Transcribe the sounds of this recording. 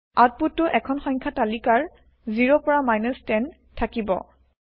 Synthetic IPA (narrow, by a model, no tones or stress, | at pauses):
at̚putːʊʔɛkʰɔnxɔjɲkʰatalikaɹ | ziɹɔpɔɹamajnɔstɛn | tʰakibɔ̰